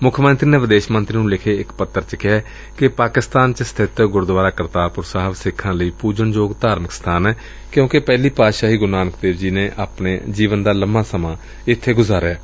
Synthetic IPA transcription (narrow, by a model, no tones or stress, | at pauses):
mʊkʰːmənt̪ɾiːneːʋɪd̪eːʃmənt̪ɾiːnũːlɪkʰeːɪkpət̪ːəɾt͡ʃəkɪɛː | kɪpaːkɪst̪aːnt͡ʃəsət̪ʰɪt̪ɡʊɾd̪ʋaːɾaːkəɾt̪aːpʊɾsaːɦəbsɪkʰːãːləiːpuːd͡ʒəɳd͡ʒoːɡt̪aːɾməkst̪ʰaːnɛː | kjõːkɪpɛːliːpaːʃaːɦiːɡʊnaːnkt̪eːbd͡ʒiːnẽːʔaːpneːd͡ʒiːʋənd̪aːləmãːsəmãː | ɪt̪ʰːeːɡʊzaːɾɛː